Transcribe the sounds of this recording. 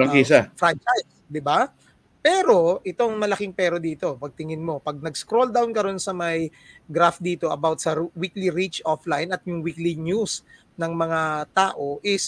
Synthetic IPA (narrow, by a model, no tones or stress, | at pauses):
ɐŋkiːsafɾant͡ʃajs | d̪ɪba | pɛːɾo̞ʔɪt̪o̞ɐŋmɐlɐkɪŋpɛːɾod̪iːt̪o̞pɐɡ̚t̪ɪŋɪnmo̞pɐɡ̚nɐɡskɾo̞ld̪awnkɐɾo̞nsɐmɐj | ɡɾafd̪iːt̪o̞ʔɐbawt̪̚sɐwikliɾit͡ʃʔoflɐjnɐt̪̚jʊŋwiklɪɲjus | nɐŋmɐŋat̪aːʔo̞ʔɪs